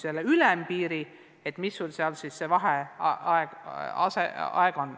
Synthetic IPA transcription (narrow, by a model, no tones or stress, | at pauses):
selːeylɛmpiːɾi | et̪misːolseɑlsissevɑɦeɑeɑ̰sḛɑ̰eɡ̥on